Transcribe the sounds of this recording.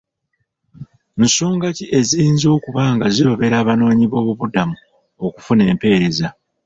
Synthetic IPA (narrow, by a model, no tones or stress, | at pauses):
n̩so̞ːŋɡaciʔe̞ziiːnzo̞ːkuβaːŋɡaziβoβe̞ɾaːβano̞ːɲiβo̞ːβuβudamu | oku̥fune̞ːmpe̞ːɾe̞za